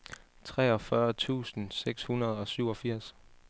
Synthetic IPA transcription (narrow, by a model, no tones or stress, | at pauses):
t͡sʰʁɛːɒ̽fɶɐt͡sʰṵːsn̩seɡ̥shunɐð̞ˠɒ̽syʊɒ̽fiɐ̰s